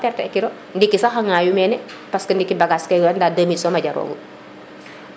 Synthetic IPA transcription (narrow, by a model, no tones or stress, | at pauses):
tɛrtɛɛkiɾɔ | ndikisaxɐŋaːjumɛːnɛ | paskɐndikibaɡaskɐɡandadəmitsɔmaɟɐɾo̰ːɡṵ